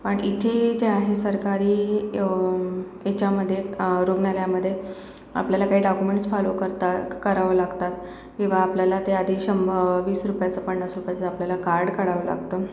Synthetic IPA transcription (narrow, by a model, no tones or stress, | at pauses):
pəɳit̪ʰed͡ʑeaɦesəɾkaɾiː | jet͡ɕjaməd̪ʱːjeɾoɡɳaljaməd̪ʱːje | a̰pljalakaɦiːɖakumeɳʈsfalokəɾt̪akəɾaʋəlaɡt̪at̪ | kĩw̃ʋaːpljalat̪eəd̪ʱiɕəmbəʋiːsɾupjat͡səpəɳːasɾupjat͡səapljalakaɾɽkəɽaʋəla̰ɡt̪ə